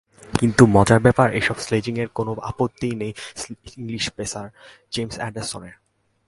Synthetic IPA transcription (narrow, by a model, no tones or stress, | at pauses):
kint̪umɔd͡ʑaɾbɛpaɾeʃɔbsled͡ʑiŋeɾkonoa̰pot̪ːijnejiŋliʃpesaɾ | d͡ʑemsɛ̰ɖesoneɾ